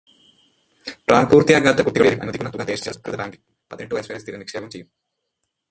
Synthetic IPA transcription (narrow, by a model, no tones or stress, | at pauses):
ʈɾʔaːnpuːɾt̪ijaːɡaːd̪ːɐkuʈːiɡɐɭilʔɐ̰nɐikunɐt̪uɡad̪eːʂt͡ɕːɐ̰kɾɨd̪ɐɾaːŋɡi | pɐd̪ineɳʈːɨʋɐjɐsʋɐjɐst̪iːɾɐnikʂeːbɐmt͡ɕejum